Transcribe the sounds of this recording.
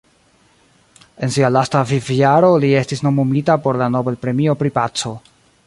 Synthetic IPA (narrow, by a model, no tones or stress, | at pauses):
e̞nsialastafiviaɾo̞lie̞stisno̞momitapo̞ɾlano̞belpɾe̞mio̞pɾipat͡so̞